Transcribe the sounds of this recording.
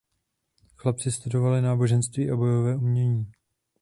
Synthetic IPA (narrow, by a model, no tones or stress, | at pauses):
xlapt͡sɪst̪udo̞valɪnaːbo̞ʒɛnst̪viːʔabo̞jo̞vɛːʔumɲɛɲiː